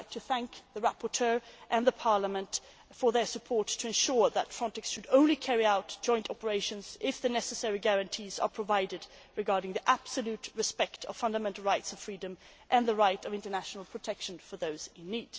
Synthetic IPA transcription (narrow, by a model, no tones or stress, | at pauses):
ɪk̚tʰɨθæ̃ŋkðəɹæpəɹtʰɜ˞ʔɨ̃nðəpʰɑɹləmə̃nt | fə˞ðə˞sɨpʰɔɹtʰɨɨ̃nʃʊɹðətfɹɑ̃ntɛksʃɨɾõʊ̃nlikʰɛɹiaʊtd̥ʒ̥ɔ̃ɪ̃ntʰɑpə˞eɪʃɨ̃nz̥ʔɪfðɨnɛsɨsɛɹiɡæɹɨ̃ntʰizə̰˞pʰɹ̥əvaɪɾɨd | ɹɨɡɑɹɾɪ̃ŋðiʔæb̥səlʉtɹɨspɛktʰʌ̰v̥fʌ̃ndəmɛ̃ntˡl̩ˠɹaɪtsʌv̥fɹidɨ̃m | ʔɨ̃nðəɹaɪɾʌvɪ̃ntə˞næʃn̩l̩ˠpʰɹ̥ɨtʰɛkʃə̃nfə˞ðoʊz̥ɪ̃nːid̥